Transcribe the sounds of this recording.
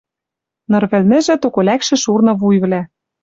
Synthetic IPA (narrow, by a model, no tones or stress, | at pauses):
nɤ̆rβɘ̆lnɘ̆ʒɘ̆t̪okolækʃɘ̆ʃurnɤ̆βujβlæ